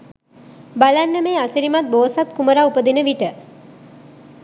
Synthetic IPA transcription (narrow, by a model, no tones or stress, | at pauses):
balanːəmeːasiɾimat̪̚boːsat̪̚kuməɾaupəd̪inəʋiʈə